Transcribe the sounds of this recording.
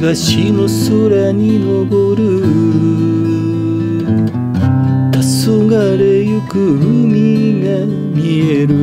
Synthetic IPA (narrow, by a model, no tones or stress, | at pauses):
ɡaɕinosoɾaɲ̟inoɡoɾɯ | t̪asoɡaɾejɯkɯɯmʲiɡa | mʲieɾɯ